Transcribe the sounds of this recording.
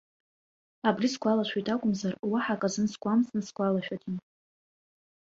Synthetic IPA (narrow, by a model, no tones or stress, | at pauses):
abrisɡʷalaʃʷʰijtʼakʷʼʊmzarwaħakʼazɨnsɡʷʼamsnɨsɡʷalaʃᶣatʲʼin